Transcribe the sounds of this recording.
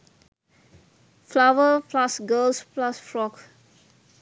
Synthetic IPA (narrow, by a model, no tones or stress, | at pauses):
flawəflasɡəlsplasfɹɔk